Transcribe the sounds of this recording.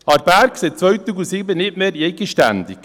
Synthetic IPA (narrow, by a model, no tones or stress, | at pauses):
ɑɾbæɾkseːt͡svœɥt̪uɡusibənɪtmeːɾeɡəʃtænd̪ik